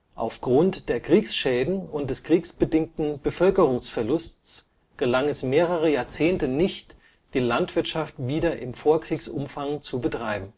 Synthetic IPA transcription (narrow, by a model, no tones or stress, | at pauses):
ʔa̰ʊfɡ̥ʁʊntd̥eːɐkʁ̥iːksʃɛːdn̩ʊnt̚d̥ɛskʁ̥iːksb̥ədɪŋk̚tn̩bəfœlkəʁʊŋsfɛɐlʊst͡s | ɡ̥əlaŋɛsmeːʁəʁəjaːɐt͡seːntənɪçt | d̥iːlantv̥ɪɐtʃaftv̥iːdɐʔɪmfoːɐkʁ̥iːksʔʊ̰mfaŋt͡subətʁ̥aɪbm̩